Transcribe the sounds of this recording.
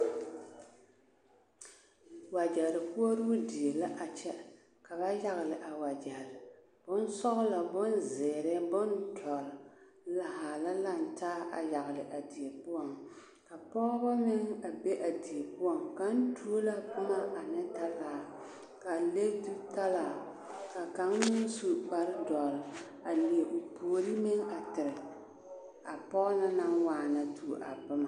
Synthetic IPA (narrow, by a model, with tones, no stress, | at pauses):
wa˨d͡ʒɛ˨lɨ˨pu˦o˦ɾɨ˦di˨e˨la˦ʔa˨t͡ʃɛ˦ | ka˨ba˦ja˦ɣɪ˨lɪ˨ʔa˨wa˨d͡ʒɛ˨hlɪ˨ | b̥ʊ˦n˦sɔ˦ɣʊ˦la˨bʊ˦nzɛː˨ɾɛ˦bɔ˦ntʰɔ˨l | la˨ha˨la˦la˦n̩˨taː˦ʔa̰˨ja˨ɣɨ˨lɨ˨ʔa˨di˨e˨pʊ˦ɔ˨ŋ | ka˨pɔ˦ba˦mɪ˦ŋa˨be˦ʔa˨di˨e˨pʊ˦ɔ˨ŋka˨˦n̩˦tʰu˦o˦la˦pʊ˦ma˦ʔa˨nɛ˦ta˦laː˨ | ka˨le˦tu˦ta˦laː˨ | ka˨ka˨˦ŋnːʊ˦su˨k͡pa˨ɾɪ˦dɔ˨l | a˨li˨e˨ʔo˨po˨o˨ɾi˦mɪ˦ŋa˨tɪ˨ɾɪ˨ | a˨pɔ˦la˦na˦ŋwaː˨na˨tʰu˨ʔa̰˨bʊ˦ma˨